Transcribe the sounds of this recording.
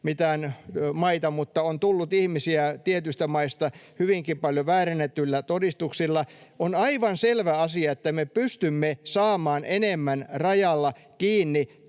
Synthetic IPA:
mit̪æːnmɑit̪ɑmut̪ːɑont̪ulːut̪ihmisiæt̪iet̪yst̪æmɑist̪ɑhyʋiŋkipɑljoʋæːrenet̪ːylːæt̪odist̪uksilːɑonɑiʋɑnselʋæɑsiɑet̪ːæmepyst̪ymːesɑːmɑːnenemːænrɑjɑlːɑ | kiːnːi

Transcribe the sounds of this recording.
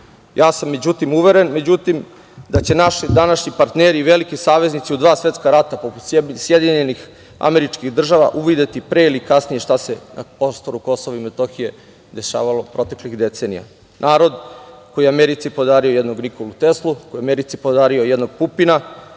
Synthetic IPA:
jaːsamːe̞d͡ʑut̪imuʋeɾe̞nme̞d͡ʑut̪im | d̪at͡ɕe̞naʃid̪anaʃɲipaɾt̪neɾiːʋelikisaːʋe̞znit̪siud̪ʋaːsʋe̞t̪skaɾat̪apo̞put̪sjed̪iɲenix | a̰me̞ɾit͡ʃkiɣd̪r̩ʒaʋa̰ʔuʋid̪et̪ipɾeilikasnijeʃt̪asena̰pɾost̪o̞ɾuko̞soʋaimet̪oxije̞ | d̪e̞ʃa̰ːʋalˠo̞pɾo̞t̪e̞klixd̪et̪se̞ːnḭja̰ | nʔaːɾo̞d̪kojiameɾit̪sipod̪aːɾiojed̪no̞ɡnikolut̪e̞slˠukojiameɾit̪sipod̪aːɾio̞jed̪no̞ɡ̚pupina

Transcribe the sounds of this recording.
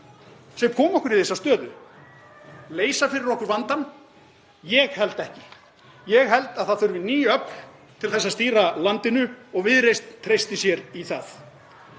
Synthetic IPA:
sɛkʰɔːmɔhkʏɾiθejsːast̪œːðʏ̰ | leːjsafɪɾɪɾɔhkʏɾvant̪an | jɛɣhɛlt̪ɛhcɪ | jɛɣɦɛlt̪aðθaðθœɾvɪniːjœpn̥ | t̪ʰɪlθɛsːast̪iːɾalant̪ɪnʏɔɣvɪðɾejst̪t̪ʰːɾejst̪ɪsjɛɾiθaθ

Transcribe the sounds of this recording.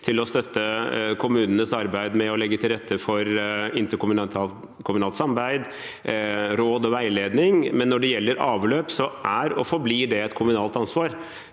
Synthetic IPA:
t̪ʰɪlɔst̪œt̪ʰːəkʰʊmʉːnənəsɑɾbæɪd̪mɛɔlɛɡːət̪ʰɪlɾɛt̪ʰːəfɔɾɪnt̪əkʊ | kʰʊmʉnɑːlt̪sɑmbæɪd̪ | ɾoːd̪ɔʋæɪleːd̪nɪŋmɛnːɔɖɛjɛlːəɾɑːʋløːpsɔʔæɾɔfɔɾbliːɖɛɛt̪kʰʊmʉnɑːlt̪ɑnsʋɑːɾ

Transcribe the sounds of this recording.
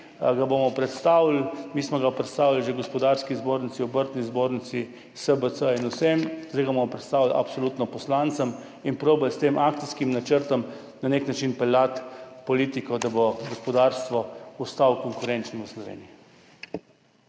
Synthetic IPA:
ɡabomɔpɾɛt̪st̪aːwlmiːsmɔɡapɾɛt̪st̪aːwilʒeɡɔspɔd̪aɾskizboːɾnitsiubəɾt̪nizboːɾnit̪si | səbət̪səinusemzd̪eɡabomɔpɾɛt̪st̪aːwʋila̰psoluːt̪nɔpɔslaːnt̪səm | inpɾoːbalst̪eːmʔakt̪iskimnat͡ʃəɾt̪ɔm | naneknat͡ʃinpɛljat̪pɔliːt̪ikɔd̪abɔɡɔspɔd̪aɾst̪ʋɔust̪awkɔŋkʊɾent͡ʃnɔəslɔʋḛːnii

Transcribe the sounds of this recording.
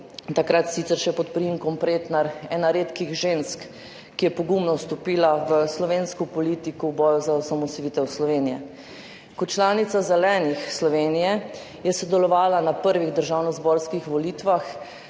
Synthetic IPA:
t̪akɾat̪sit̪sɛɾʃɛpɔt̪pɾimkɔmpɾeːt̪naɾɛːnaɾeːt̪kiɣʒenskː | ijɛpɔɡumnɔwst̪ɔpiːlaʋəslɔʋeːnskupɔlit̪ikuwbɔːjuzaɔsamɔsɔʋiːt̪ɛwslɔʋeːnijɛ | kɔt̪t͡ʃlaːnit̪sazɛlɛːnixslɔʋeːnijɛ | jɛsɔd̪ɛlɔʋaːlanapəɾʋiɣd̪əɾʒaːwnɔzbɔɾskixʋɔlit̪ʋax

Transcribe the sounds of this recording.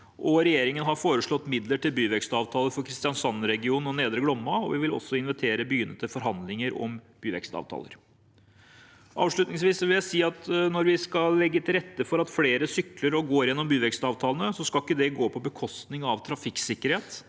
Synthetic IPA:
ʔɔɾɛjeːɾɪŋənɦɑɾfoːɾəʂɭɔt̪ːmɪd̪ləʈʰɪlbyːʋɛkst̪ɑːʋt̪ʰɑːləɾfɔɾkʰɾɪst̪ɪjɑnsɑnɾɛɡɪuːnɔneːd̪ɾəɡlɔmːɑɔʋɪʋɪlɔ̰sːɔɪnʋɛt̪ʰeːɾəbyjʏnːət̪əfɔɾɦɑnd̪lɪŋəɾɔ̰mb̥yːʋɛ̰kst̪ɑ̰ːʋt̪ʰɑ̰lə̰ɾ | ʔɑ̰ːʋʂɭʉt̪nɪŋsʋiːsɔʋɪljæɪsiːɑt̪nɔɾʋɪskɑlːɛɡːət̪ʰɪlɾɛt̪ːəfɔɾɑt̪fleːɾəsʏkləɾɔɡoːɾjɛnːɔmbyːʋɛkst̪ɑːʋt̪ʰɑːlənəsɔskɑlɪkːəd̪ɛɡoːpʰɔbəkʰɔst̪nɪŋɑʋt̪ʰɾɑfɪksɪkːəɾheːt̪

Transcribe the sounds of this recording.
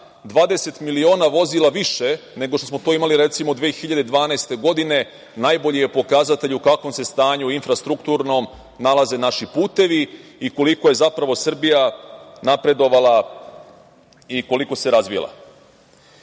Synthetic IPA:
d̪ʋaːd̪e̞se̞t̪milio̞ːnaʋo̞zilˠaʋiʃe̞ | ne̞ɡoʃt̪o̞smo̞t̪oimaliɾet̪simo̞d̪ʋeːxiʎad̪e̞d̪ʋaːnaest̪e̞ɡo̞d̪ine̞ | najbo̞ʎije̞po̞kazat̪e̞ʎukakʋo̞mse̞st̪aːɲuinfɾast̪ɾukt̪uɾno̞m | nalˠaze̞naʃipuːt̪e̞ʋiːko̞likoje̞zapɾaʋo̞sr̩bijanapɾe̞d̪o̞ʋalˠa | iko̞liko̞se̞ɾazʋij̰lˠa̰

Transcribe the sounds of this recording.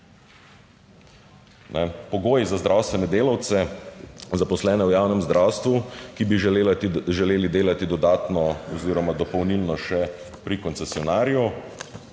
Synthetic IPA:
nʔɛpɔɡoːjizazd̪ɾʔawst̪ʋɛnɛd̪eːlawt̪sɛ | zapɔslɛːnɛwjaːwnɛmzd̪ɾawst̪ʋukibi | ʒɛleːlid̪eːlat̪id̪ɔd̪aːt̪nɔɔziːɾɔmad̪ɔpɔwnilnɔʃɛ | pɾikɔnsɛsiɔnaːɾiju

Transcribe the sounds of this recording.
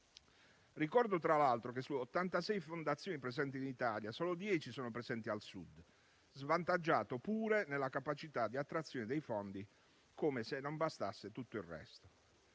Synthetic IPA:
rikɔrd̪ot̪ɾalalt̪ɾokesːuot̪ːant̪asɛjfond̪at̪sːjoːnipɾezɛnt̪̬iːnit̪aːljasoɔːlod̪jɛːt͡ʃisɔːnopɾezɛnt̪ialsṵd̪ | zvant̪ad͡ʒːaːt̪opuːɾenelakapat͡ʃit̪ad̪ːiat̪ːɾat̪sːjoːned̪ejfɔnd̪i | komesenːombast̪a̰sːet̪ut̪ːoirrɛ̰st̪o̥

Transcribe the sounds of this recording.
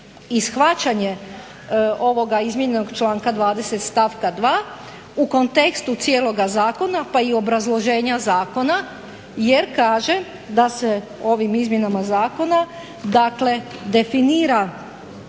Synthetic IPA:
isxʋat͡ɕaɲe̞ | o̞ʋo̞ɡaizmjeɲeno̞ɡt͡ʃlˠaːŋkad̪ʋaːd̪e̞se̞t̪st̪aʋkad̪ʋaː | uko̞nt̪e̞kst̪ut̪sije̞ːlˠo̞ɡazaːko̞napaio̞bɾazlˠo̞ʒe̞ːɲazaːko̞na | je̞ɾkaːʒe̞ | d̪ase̞ | o̞ʋimizmʲje̞namazaːko̞na | d̪akle̞d̪e̞finiːɾa

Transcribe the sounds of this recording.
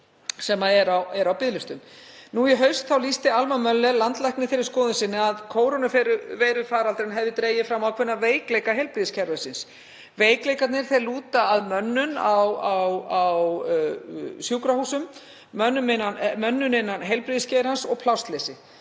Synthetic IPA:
sɛmaðɛɾawɛɾawpɪðlɪst̪ʏm | nujɛɦœɥst̪θawliːst̪ɪalmamœlːɛlant̪lajhknɪfɪɾɪɾ̥skɔːðʏnsɪnːɪaðkʰoːwɾonʏfɛɾʏvɛːɾʏfaːɾalt̪ɾenɦɛvðɪt̪ɾeːjɪfɾamːawkʰvɪnːaveːjklejkaɦejlpɾɪðscʰɛɾvasɪns | veːjklejkat̪nɪɾ̥θejluːt̪aːðmœnːʏnawawaw | sjuːwkɾahuːsʏm | mœnːʏmɪnamœnːʏnɪnːanɦejlpɾiðscɛjɾhansɔɣpʰlawst̪leːsɪ

